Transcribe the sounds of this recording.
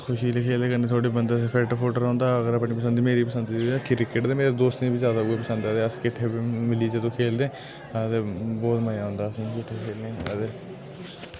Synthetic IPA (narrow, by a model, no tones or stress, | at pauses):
kʰʊʃiːleːkʰeːld̪eːkəneːt̪ʰoːɽiːbənd̪aspʰɛːʈpʰoːʈəɾõːnd̪aːəɡəɾəpɳiːpəsənd̪iːmeːɾiːpəsənd̪iːkɪɾɪkːəʈd̪eːmeːɾed̪oːst̪nẽbizjaːd̪aːɡipəsə̃nd̪aːd̪eːəskɪʈʰːeːbimɪliːd͡ʒet̪õːkʰeːld̪eː | t̪eːbɔːt̪məjaːɦʊ̃nd̪aːəsĩːkɪʈʰːeːkʰeːlnẽːd̪e